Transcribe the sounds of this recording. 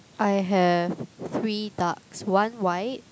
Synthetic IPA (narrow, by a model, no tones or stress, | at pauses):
ʔajɦɛvθɹidakswãnwaɪt̚